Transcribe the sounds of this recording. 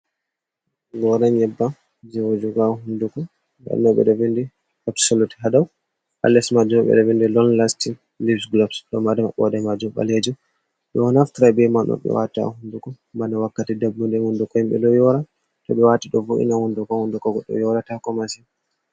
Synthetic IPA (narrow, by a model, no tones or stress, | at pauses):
ɡɔɾaɲjɛbːa | d͡ʒɛwod͡ʒuɡaɦundukɔ | ba̰nɔɓɛ̰ɗɔvindi | ɔptsoluti̥ɦadaw | ʔa̰lːɛsmad͡ʒumɓɛ̰ɗɔvendilɔnlasti | lifsɡlɔbsɗɔmadamaɓɔ̰dɛmad͡ʒumɓa̰led͡ʒu | ɗɛnaftiɾabɛmanɗɔ̰ɓɛ̰wa̰ta̰hundukɔ | mbanawakːatidabːundɛhundukɔhimɓɛ̰ɗɔjɔɾa | tɔɓɛwatiɗɔvoʔḭnahundukɔhundukɔɡɔɗːɔ̰jɔɾatakɔmasin